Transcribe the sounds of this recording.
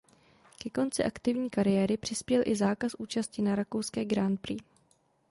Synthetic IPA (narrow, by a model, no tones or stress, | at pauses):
kɛko̞nt͡sɪʔakt̪ɪvɲiːkaɾɪjɛːɾɪpr̥ɪspjɛlʔɪzaːkasʔuːt͡ʃascɪnaɾako̞wskɛːɡɾant̪̚pɾiː